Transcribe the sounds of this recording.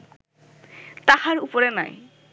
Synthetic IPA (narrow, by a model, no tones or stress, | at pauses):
t̪ahaɾupoɾenaj